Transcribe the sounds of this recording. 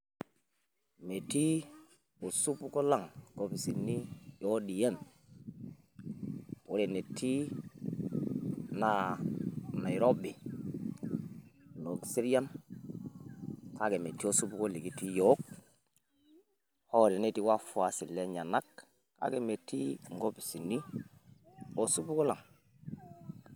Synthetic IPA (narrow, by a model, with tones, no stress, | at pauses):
me˨ti˦ | o˨su˦pu˦ko˦la˦˨ŋko˨bi˨si˨nːi˦jo˦di˨je˦n | po˨˦ɾe˨ne˨tʰi˦ | na˦ | na˨i˨ɾo˦bi˨ | no˨ɡsi˦ɾja˦n | ka˦ɡe˨me˨tːi˦o˦su˦bu˦ko˦li˨ɡi˦ti˦jo˨˦k | ho˦ɾe˨ne˦ti˦wa˦fu˨˦a˨si˨lːe˦ɲa˨na˦kː | a̰˦ɡe˨me˨tːi˦ŋ˨ɡo˦bi˨si˨nːi˦ | o˦su˦bu˦ko˦la˨ŋ